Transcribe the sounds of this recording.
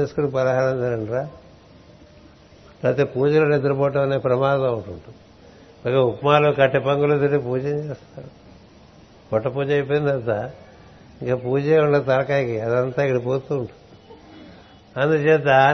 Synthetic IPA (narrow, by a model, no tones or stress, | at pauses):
eːsukunipɐɾɐɦaːɾɐnd̪ɐɾɐɳɾaː | pɾɐt̪ipuːd͡ʒɐloːned̪uɾupɔːʈ̬ɐmɐneːpɾɐmaːd̪ɐɐʋuʈuɳʈu | ɐkɐupmaːlokɐʈːepɐŋɡulut̪iɾipuːd͡ʒɐɲd͡ʒeːst̪aːɾu | kɔʈːɐpuːd͡ʒɐjp̬oːjind̪ɐnt̪a | iŋkapuːd͡ʒeːuɳɖɐt̪ɐɾɐkaːkiɐd̪ɐnt̪aːikːɐɽupoːt̪uːɳʈu | ɐnd̪ut͡ʃeːt̪ːa